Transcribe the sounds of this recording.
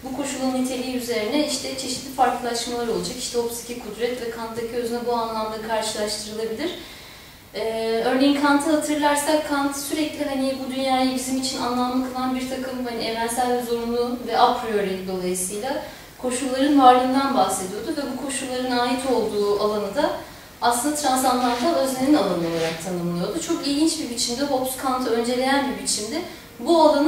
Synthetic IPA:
bukʰo̞ʃulˠaɯnit̪ʰe̞lʲijiyze̞ɾinɛiʃt̪ʰɛt͡ʃʰe̞ʃit̪lʲifaɾklˠɯlˠaʃmalˠaɾo̞lˠad͡ʒakiʃt̪ʰɛopsi̥cʰikʰud̪ɾɛt̪vɛkʰant̪d̪acʰiø̞zynɛbuanlˠamd̪akʰaɾʃɯlˠaʃt̪ʰɯɾɯlˠabilʲiɾ̥ | ɛːø̞ɾnʲejinkʰant̪ʰɯɦat̪ʰɯɾlˠaɾsakkʰːant̪ʰsyɾɛclʲiɦanibud̪ynjaːjabizimit͡ʃʰina̰nlˠamlˠakʰɯlˠanbiɾt̪ʰakɯmhanievænsælʲzoɾunlˠuvɛʔapʰɾio̞ɾilʲid̪o̞lˠajɯsɯjlʲˠa | kʰo̞ʃulˠːaɾɯnvaɾlˠɯnd̪anbahse̞d̪ijo̞d̪uvɛbukʰo̞ʃulˠːaɾɯnaːjit̪ʰo̞lˠd̪uːalˠanɯd̪a | aslˠɯnd̪at̪ʰɾansanlaɾd̪ʰaø̞zlʲeninalˠanɯo̞lˠaɾak̚t̪ʰanɯmlˠɯjo̞d̪ut͡ʃʰo̞kilʲɟʲint͡ʃbibit͡ʃʰimd̪ɛɦo̞pskʰant̪ʰɯø̞nd͡ʒe̞lʲe̞jænbiɾbit͡ʃʰimd̪ɛ | bualˠan

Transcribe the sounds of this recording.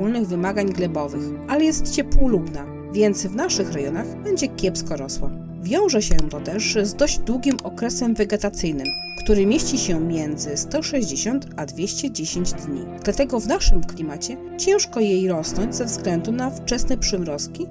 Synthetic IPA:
ulnɘɣvɘmaɡaɲɡlɛbɔvɘxʔalɛjɛst̪t͡ɕɛpwulubna | vʲjɛnt̪svnaʂɘxɾajɔnaxbɛɲd͡ʑɛkʲjɛpskɔɾɔswa̰ | vʲjɔ̃w̃ʐɛɕɛt̪ɔt̪ɛʐzd̪ɔʑd͡ʑd̪wuɡʲimɔkɾɛsɛmvɛɡɛt̪at̪sɘjnɘm | kt̪uɾɘmʲjeɕt͡ɕiɕɛmʲjɛnd̪zɘst̪ɔʂɛʑd͡ʑeɕɔnt̪ad̪vʲjeɕt͡ɕɛd͡ʑeɕeɲd͡ʑd̪ɲḭd̪̥lat̪ɛɡɔvnaʂɘmklʲimat͡ɕɛ | t͡ɕɛ̃w̃ʂkɔjejɾɔsnɔɲd͡ʑzɛvzɡlɛnd̪unaft͡ʂɛsnɛpʂɘmɾɔskʲi

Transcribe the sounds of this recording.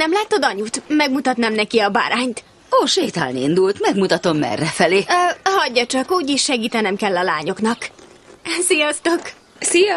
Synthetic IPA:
nɛmlaːt̪od̪ɒɲut̪mɛɡmut̪ɒt̪naːmnɛkiɒba̰ːɾaːɲt̪ | oːʃejt̪a̰ːlniḭnd̪ult̪mɛɡmut̪ɒt̪o̞mːɛ̰rːɛfɛleːhɒɟːɒt͡ʃɒkuːɟeʃːɛɡiːt̪ɛnɛmkɛlːɒlaːɲo̞knɒk | sijɒst̪o̞k | sijɒ

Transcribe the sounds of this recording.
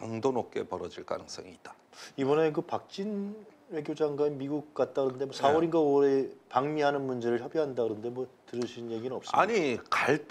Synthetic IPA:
oŋdonok͈e̞pʌɾʌd͡ʑiɭk͈a̰nɯŋs͈ʌ̰ŋiːt̚t͈ḁ | ibʌnekɯpak̚t͡ɕ͈in | we̞ɡjod͡ʑaŋɡwaemiɡuk̚k͈at̚t͈aɡɯɾʌnde̞mwʌsʰawʌɾinɡaoɾe̞paŋmiɦanɯnmund͡ʑe̞ɾɯɭçjʌbiɦandaɡɯɾʌnde̞mwʌtɯɾɯɕʰinje̞ɡinɯnʌps͈ia̰ɲikaɭt

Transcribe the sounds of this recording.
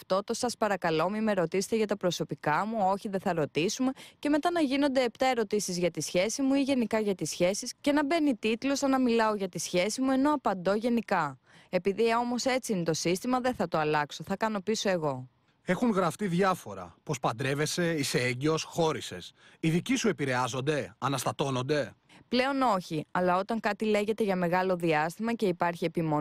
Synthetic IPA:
ft̪o̞t̪o̞sɐspɐɾɐkɐlo̞mime̞ɾo̞t̪ise̥t̪eʝɐt̪ɐpɾo̞so̞pikɐmuo̞çiðeθɐɾo̞t̪isume̞ce̞me̞t̪ɐnɐʝino̞nd̪e̞ept̪ɐe̞ɾo̞t̪isizʝɐt̪isçe̞simuiʝe̞nikɐʝɐt̪isçe̞sisce̞nɐbe̞nit̪it̪lo̞sɐnɐmilɐo̞ʝɐt̪isçe̞simue̞no̞ɐpɐnd̪o̞ʝe̞nikɐ | e̞piðio̞mo̞se̞t͡siinet̪o̞sist̪imɐðe̞nθɐt̪oɐlɐkso̞θɐkɐno̞piso̞e̞ɣo̞ | e̞xuŋɣɾɐft̪iðʝɐfo̞ɾɐ̰po̞spɐnd̪ɾe̞ve̞se̞iseeɲɟio̞sxo̞ɾise̞̰siðicisue̞piɾe̞ɐzo̞nd̪e̞ɐnɐst̪ɐt̪o̞no̞nd̪e̞ | ple̞o̞no̞çiɐlɐo̞t̪ɐŋkɐt̪ile̞ʝe̞t̪e̞ʝɐme̞ɣɐlo̞ðiɐst̪imɐce̞ipɐɾçie̞pimo

